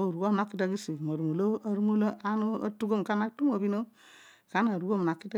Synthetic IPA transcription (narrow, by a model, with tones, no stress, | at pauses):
o˦˨ɾu˨ɡo˦m˨na˦kːi˦ta˦ɡi˦si˨mo˨ɾu˨mo˨lo˦a˦ɾu˦mo˦lo˦a˦no˦a̰˦tu˦ɡo˦mka˦na˦ktu˦mo˨bi˦no˦ | ka˨˦na˨ɾu˨˦ɡo˦˨mna˨kːi˦ta˦